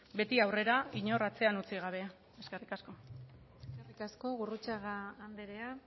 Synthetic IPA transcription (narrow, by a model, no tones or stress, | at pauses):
be̞t̪iawre̞ɾaiɲo̞rat͡se̞anut͡siɣ̞aβ̞e̞ | eske̞rikasko̞ | eskerikasko̞ɣurut͡saɣaːnd̪eɾea